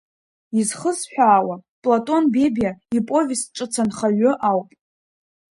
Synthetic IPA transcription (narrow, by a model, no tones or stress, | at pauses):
izχəsħʷᶣaːwapʼlatʼo̞nbe̞bjaipʼo̞vʲisʈ͡ʂʷʼɨt͡sʰanχaɥʊʔawpʼ